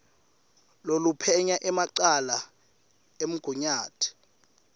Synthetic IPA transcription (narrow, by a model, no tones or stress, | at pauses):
lolupʰɛɲaʔɛmaǃala | em̩ɡ̥ʱuɲaːtʰi̥